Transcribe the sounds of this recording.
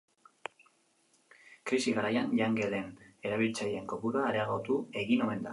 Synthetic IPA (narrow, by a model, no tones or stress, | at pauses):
kɾisiɣaɾajanʎaŋɡe̞le̞ne̞ɾaβ̞ilt͡sajie̞ŋko̞puɾaːɾeaɣot̪ue̞ɣino̞e̞nd̪a̰